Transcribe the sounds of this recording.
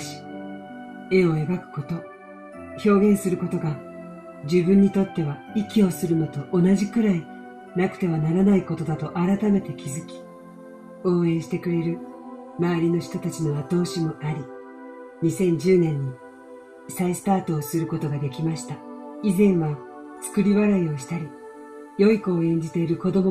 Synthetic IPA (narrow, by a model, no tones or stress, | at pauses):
ɕi̥ | e̞o̞ebakɯ̟̥ko̞t̪o̞ | ço̞ːɡʲẽ̞ɰ̃sɨɾɯ̟ko̞t̪o̞ɡa | d͡ʑɨbɯ̟̃ɲ̟ːit̪o̞t̪ːe̞βa | ikʲio̞sɨɾɯ̟no̞t̪o̞ʔːnaʑikɯ̟ɾai | nakɯ̥t̪e̞βanaɾanaiko̞t̪o̞d̪at̪o̞ʔaɾat̪ame̞t̪e̞kʲizɨkʲi̥ | o̞ːẽ̞ːɕi̥t̪e̞kɯ̟ɾe̞ɾɯ̟ | maβaɾʲino̞çi̥t̪o̞t̪at͡ɕino̞βat̪o̞ːɕimo̞aɾʲi | ɲ̟isẽ̞ɲ̟d͡ʑɨːnẽ̞ɲ̟ːi | saisɨ̥t̪aːt̪o̞ːsɨɾɯ̟ko̞t̪o̞ɡad̪e̞kʲimaɕi̥t̪aizẽ̞ɰ̃βa | t͡sɨ̥kɯ̟ɾʲiβaɾaio̞ɕi̥t̪aɾʲi | jo̞ikoːẽ̞ɲ̟d͡ʑit̪e̞iɾɯ̟ko̞d̪o̞mo